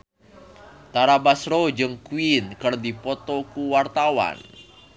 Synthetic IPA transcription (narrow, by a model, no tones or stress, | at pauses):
t̪aɾabasrod͡ʒɨŋkuinkɨrdipɔt̪ɔkuwart̪awa̰n